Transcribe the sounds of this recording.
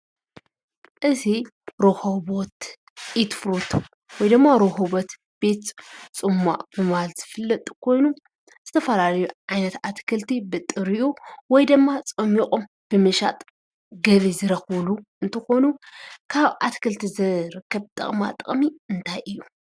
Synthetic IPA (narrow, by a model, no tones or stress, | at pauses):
ʔɨziɾohoβot̪ | ɪt̪fɾut̪ʰ | wɔjd̪ɨmːaɾoɦoβot̪ | b̥e̞t̪t͡sʼɨmːa̰ʔb̥ɨmɨhalz̥ɨfɨlːɐt̪ʼu̥kʰo̞jnu | z̥ɨt̪ʰɐfɐlalɐjuʕajnɐt̪at̪kʰɐlt̪ʰibɨt̪ʼːɨɾɨʔuwɔjd̪ɨmːat͡sʼɐmixʼom | b̥ɨmɨʃa̰t̪ʼ | ɡɐβizɨɾɐxβluɨnt̪ʰɐxo̞nukʰaβʔat̪kʰɐlt̪ʰizɨɾɨkːɐβt̪ʼɐ̰χʼma̰t̪ʼɐχʼmiɨnt̪ʰajʔɨjːu